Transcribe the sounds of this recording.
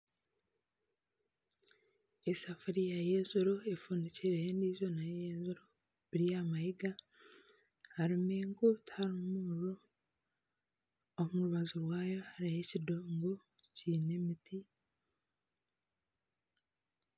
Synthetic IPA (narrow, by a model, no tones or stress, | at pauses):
esafuɾijajeːzuɾoefuːniceɾeːndiːzo̞najeːzuɾo | βiɾijamajiɡa | haɾimeːŋkothaɾimuɾo | omuɾuβazuɾwaːjo̞haɾijecidoːŋɡo | ciːne̞mitʰi